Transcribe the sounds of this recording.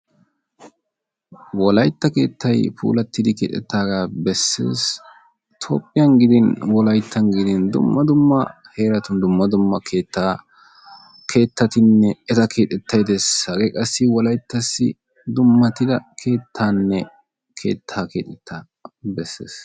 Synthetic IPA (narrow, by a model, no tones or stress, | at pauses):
wɔlɐjt̪ːɐke̞ːt̪ʰːɐjpʰṵːlɐt̪ːɪd̪ɪkeːt̪ʼːɛ̰t̪ːaːɡabɛsːḛːs | t̪ʰo̰ːpʼːɪjɐnɡɪd̪ɪnwɔlɐjt̪ʰːɐnɡɪd̪ɪnd̪ʊ̰mːɐd̪ʊmːɐ | he̞ːɾɐt̪ʊnd̪ʊmːɐd̪ʊmːɐkʰeːt̪ːaː | kʰe̞ːt̪ːɐt̪ɪnːɛɛt̪ɐkʰe̞ːt̪ʼːɛt̪ʰːɐjd̪ɛsɐɡɛkʼɐsːɪwɔlɐjt̪ːɐsːɪ | d̪ʊmːɐt̪ɪd̪ɐkʰe̞ːt̪ʰːaːnːɛ | kʰe̞̰ːt̪ʰːaːkeːt̪ʼɛt̪ʰːaː | bɛsːe̞̰ːs